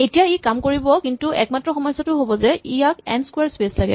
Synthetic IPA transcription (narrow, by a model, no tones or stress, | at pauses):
etijaekamkoɹibɔkintuʔɛ̰k̚matːɹɔxɔmɔjsɔtʊɦobɔzɛijakɛ̰nskwɛɹspeslaɡɛ̰